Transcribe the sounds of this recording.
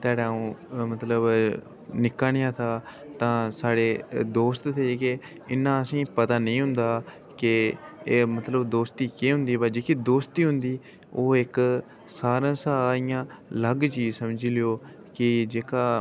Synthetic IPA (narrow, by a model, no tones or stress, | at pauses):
t̪aːɽaːũːmət̪ləb | nɪkːaɽɪjãːt̪ʰaː | t̪ãːsaːɽeːd̪oːst̪t̪ʰeːeːke | ɪnːãːəsĩːpət̪aːnəĩːɦʊ̃nd̪aː | kɪː | mət̪ləbd̪oːst̪iːkeːɦʊ̃nd̪iːbad͡ʒeːkiːd̪oːst̪iːɦʊ̃nd̪iː | oːɪk | saːɾãːsaːɾɪjãːləɡt͡ʃiːsəmd͡ʒilɪjoː | kɪd͡ʒeːkaː